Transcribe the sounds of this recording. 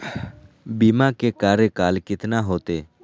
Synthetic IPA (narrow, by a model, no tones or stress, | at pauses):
biːmãːkeːkaːɾekaːlkɪt̪naːɦoːt̪eː